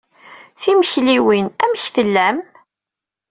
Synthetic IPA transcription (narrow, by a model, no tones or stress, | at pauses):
θiməçliwinæməçθəlːæm